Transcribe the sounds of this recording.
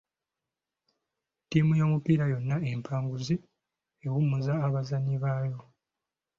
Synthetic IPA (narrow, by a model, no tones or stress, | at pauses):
tiːmujo̞ːmupiːɾajo̞nːaempʰaːŋɡuzi | ewumuzaːβazaɲiβajo̞